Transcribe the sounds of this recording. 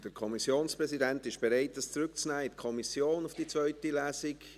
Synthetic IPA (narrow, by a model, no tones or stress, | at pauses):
d̥əɾkʰɔmisjoːnspɾɛsidɛntɪʃb̥ɛɾɛɪtəst͡sɾʏk̚t͡snæːɪtkʰɔmisjoːnʊfd̥it͡svœʏtilæːsɪk